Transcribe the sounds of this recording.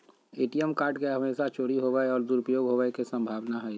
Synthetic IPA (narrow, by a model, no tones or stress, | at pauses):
eːʈijəmkaːɾʈkeɦəmeːsat͡ʃoːɽiɦoʋaeɔːɾd̪uɾupəjoːɡɦoaekesə̃mbʱaːʋnaɦɛ